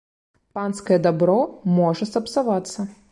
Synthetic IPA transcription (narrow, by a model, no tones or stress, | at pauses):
panskɐjɛd̪abɾɔmɔʐɐst̪ɐpsavat̪sːɐ